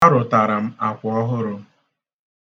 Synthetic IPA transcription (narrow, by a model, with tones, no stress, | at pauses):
a˦ɾʊ˨ta˨ɾa˨m̩˦a˨kʷʊ˨ɔ˦ɦʊ˦ɾʊ˦